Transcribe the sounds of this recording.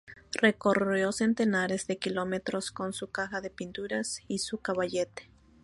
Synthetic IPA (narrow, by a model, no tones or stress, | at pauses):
re̞ko̞rjo̞se̞nt̪e̞naɾe̞zðe̞kilo̞me̞t̪ɾo̞sko̞nsukaxaðe̞pint̪uɾasisukaβaʝet̪e̥